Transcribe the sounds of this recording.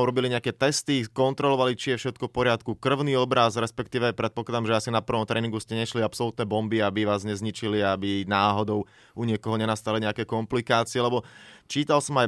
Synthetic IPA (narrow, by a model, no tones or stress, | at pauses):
uɾɔbiliɲɛakɛt̪ɛst̪ikɔnt̪ɾɔlɔʋalit͡ʃijɛfʃɛt̪̚kɔfpɔɾɪat̪kukr̩ʊniɔbɾazɾɛspɛkt̪iːʋɛajpɾɛt̪̚pɔklad̪amʒɛasinapr̩ʋɔmt̪ɾɛːniŋɡuscɛɲɛʃliapsɔlut̪nɛbɔmbiabiʋaːzɲɛzɲit͡ʃiliabinaːɦɔd̪ɔʊ | uɲɪɛkɔɦɔɲɛnast̪aliɲɛakɛkɔmplikaːt͡siɛlɛbɔt͡ʃiːt̪alsɔmaj